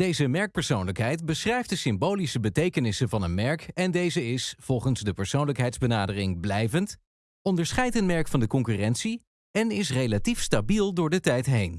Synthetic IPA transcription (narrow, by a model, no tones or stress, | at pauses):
d̥ejzəmɛɹk̚pəɹsownləkɦɛjtbəsχrɛjft̚dəsɪmbowlisəbətejkənɪsənvɑnənmɛɹkɛndejzəɪsv̥ɔlˠχənzdəpəɹsownləkɦɛjtzbənaːdərɪŋblɛjvənt | ɔndəɹsχɛjtənmɛɹkfɑndəkɔŋkyːrɛntsi | ɛnɪs̬rejlatifstabilˠdʊːɹdətɛjtɦejn